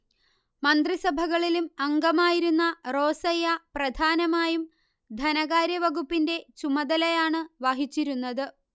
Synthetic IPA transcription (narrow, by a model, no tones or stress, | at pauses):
mɐnd̪risɐbʱɐɣɐɭilumɐŋɡɐmaːjiɾunːɐro̞ːsɐjɐprɐd̪ʱaːnɐmaːjum | d̪ʱɐnɐɣaːɾjɐʋɐɣupːinde̞t͡ɕumɐd̪ɐlɐjaːɳɨʋaɦit͡ɕːiɾunːɐðɨ